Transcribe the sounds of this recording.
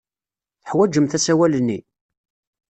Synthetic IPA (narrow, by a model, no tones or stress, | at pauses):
θəħwæd͡ʒəmθæsæwælənːi